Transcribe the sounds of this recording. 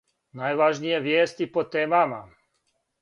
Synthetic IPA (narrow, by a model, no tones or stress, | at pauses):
naːjʋaʒnijeʋjeːst̪ipot̪eːmama̰